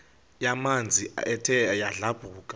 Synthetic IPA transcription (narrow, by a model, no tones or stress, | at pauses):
jamand͡zʱiɛtʰɛjaɮab̥ʱuːkʼḁ